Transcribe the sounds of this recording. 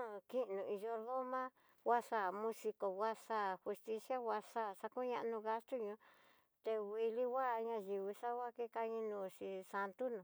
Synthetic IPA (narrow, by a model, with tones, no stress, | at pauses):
ki˦˧nũ˨i˧ʒo˧ðo˦mã˦ | wa˦ʂa˦˨mũ˧si˧ko˨wa˦sa˦˨hu˧st̪i˧sja˦wa˧ʂa˦˨sa˧ku˦ɲã˧ʔnũ˧ɣa˦st̪u˦ɲũ˧˦ | t̪e˧wi˧li˦˧wa˦˧ɲã˧ʒi˧βi˧sa˦wa˦ke˦ka˧ɲĩ˧nũː˧˨ʃi˧sa˧nt̪u˦nũ˨